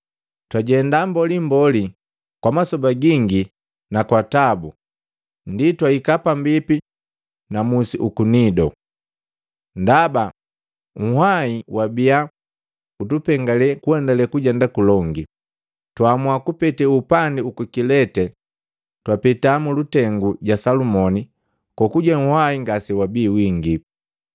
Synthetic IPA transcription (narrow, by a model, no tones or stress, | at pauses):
twaɟɛndambɔlimbɔli | kwamasɔbaɡiŋɡi | nakwatabu | nditwaikapambipi | namusiʔukunidɔ̰ | ndaba | ŋ̩haiwabia | utupɛŋɡalɛkuɛndalɛkuɟɛndakulɔŋɡi | twamwakupɛtɛupandiukukilɛtɛ | twapɛtamulutɛŋɡuɟasalumɔni | kɔkuɟaŋ̩hwaiŋɡasɛwabiːwiŋɡi